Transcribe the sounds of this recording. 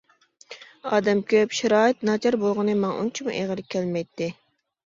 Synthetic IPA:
ɑːd̪ɛmkʲʰøpʃɪɾɑːɨt̪nɑt͡ʃʰɑɾbolˠʁʊnɨmɑŋʔṵnt͡ʃʰimuʔḛʁəlˠɪp̚kʲʰːɛlmɛjt̪ʰːɪ

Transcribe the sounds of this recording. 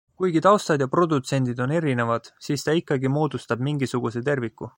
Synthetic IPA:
kujɡ̥it̪ɑwst̪ɑd̪jɑpro̞d̪ut̪se̞nʲd̪̥id̪o̞ne̞ɾine̞vɑd̪̥siːst̪ɑikːˑɑɡimo̞ːd̪ust̪ɑb̥̚miŋɡisuɡ̥use̞t̪e̞rvikːˑu

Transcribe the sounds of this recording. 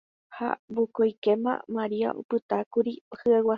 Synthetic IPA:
ha̰bokojkemã̰maɾia̰ʔo̰pɨt̪akuɾihɨawa

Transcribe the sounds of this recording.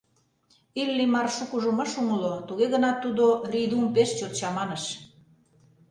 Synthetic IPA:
ilːimɑrʃukuʒumɤʃumə̆lot̪uɣeɣə̆nɑt̪ːud̪orid̪umpeʃt͡ɕort͡ɕɑmɑnə̆ʃ

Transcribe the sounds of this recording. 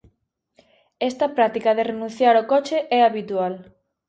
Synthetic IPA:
ɛst̪ɐpɾat̪ikɐðerenũnθjaɾokɔt͡ʃeʔɛaβit̪ual

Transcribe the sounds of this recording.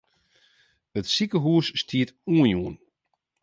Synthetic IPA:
ətsikəɦuəsːtʰiətuənjuən

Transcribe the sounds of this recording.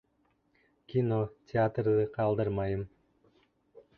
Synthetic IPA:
kʲinotʲʰɪat̪rd̪ɨqʰɑlˠd̪ɯɾmɑjɯm

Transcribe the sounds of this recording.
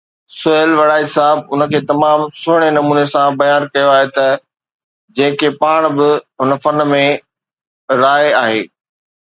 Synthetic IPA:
sʊəlʋɐɽaːisaːɦɪbʊnə̆kʰeːt̪ɐmaːmsʊɪɽ̃enɐmuːnesãbɐjaːnkɐjoaːɦet̪ɐ | d͡ʑɐ̃ɦɪ̃kʰepaːɽ̃bɪɦʊnəfɐnmẽ | ɾaːeaːɦeː

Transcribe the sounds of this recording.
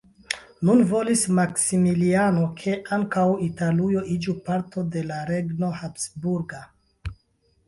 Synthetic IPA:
nunvo̞lismaksimiliano̞kʰe̞ʔaŋkawitalujo̞ʔid͡ʒupaɾtʰo̞de̞laɾe̞ɡno̞hapsbuɾɡa

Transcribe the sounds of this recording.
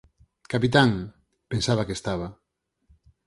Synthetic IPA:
kapit̪aŋ | pensaβakest̪aβ̞a

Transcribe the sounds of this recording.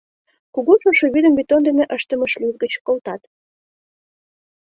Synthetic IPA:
kuɣoʒoʃoβid̪əmbit̪ond̪eneʔəʃt̪əməʃlutɡət͡ɕkolt̪ɑt̪

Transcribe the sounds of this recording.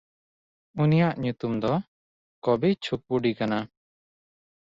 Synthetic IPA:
unijaʔɲut̪umd̪ɔ | kɔbit͡ʃʰuk̚uɖikana

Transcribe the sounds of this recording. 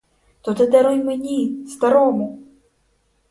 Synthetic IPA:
t̪ɔt̪ɨd̪aɾɔjmɨnʲist̪aɾɔmu

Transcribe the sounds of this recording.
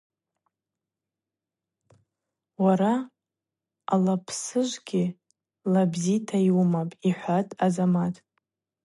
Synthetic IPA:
waɾa | alapʰsɨʒʷɡʲi | labzitʰaiwumapʼiħʷatʼazamatʼ

